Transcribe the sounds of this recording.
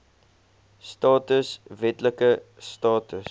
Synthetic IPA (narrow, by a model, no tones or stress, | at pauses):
stɑːtəsvɛtləkə | stɑːtəs